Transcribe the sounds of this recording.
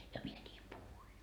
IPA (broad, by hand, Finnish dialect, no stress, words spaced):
jɑ mie nʲiːm puhuin